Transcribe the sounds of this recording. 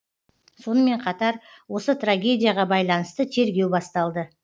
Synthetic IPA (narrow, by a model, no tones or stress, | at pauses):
so̞nəme̞ɴqʰɑt̪ɑɾ | wo̞sət̪raɡʲe̞dʲijaʁɑbɑjlˠɑnəst̪ət̪ʰe̞ɾɡʲe̞wbɑst̪ɑlˠd̪ə